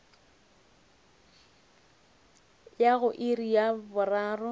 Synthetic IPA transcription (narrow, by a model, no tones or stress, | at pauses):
jaɣʊʔɪrijabʊraːrʊ